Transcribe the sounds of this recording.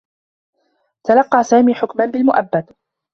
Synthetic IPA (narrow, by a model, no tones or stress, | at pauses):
t̪alɑqːɑːsaːmiːħʊkmanbɪlmʊʔabːad̪